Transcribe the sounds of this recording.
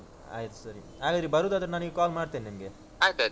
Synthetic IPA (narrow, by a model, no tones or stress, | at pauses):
a̰ːjt̪u̥sɐɾi | ɦaːɡaːd̪ɾibɐɾud̪ɐd̪ɐɾenaːniɡekaːlmaːɖt̪eːninimɡe | aːjt̪a